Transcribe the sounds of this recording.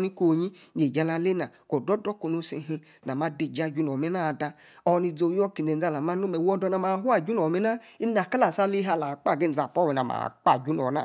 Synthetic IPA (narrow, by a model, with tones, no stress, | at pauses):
ni˦ko˨ɲi˦ | ɲe˨d͡ʒa˧la˧le˦na˨ko˨dɔ˦dɔ˦ko˧no˧si˧ɦi˧ | na˨ma˦de˧˨d͡ʒa˦˨d͡ʒu˦n˨ɔ˨me˦na˦˨da˧ | ɔ˧˦ni˧d͡zo˧˨jɔ˦ki˨e˨n˨a˧˨la˨ma˦no˦mɛ˨wɔ˧dɔ˧na˨ma˨˦ɦu˦a˨d͡ʒu˦nɔ˨me˦na˦ | i˦a˨ka˦la˨sa˦li˦a˧˨la˨k͡pa˦˨ɡe˦˨d͡za˨pɔ˦wɛ˨na˨ma̰˨k͡pa˦˨d͡ʒu˦nɔ˨na̰˦˨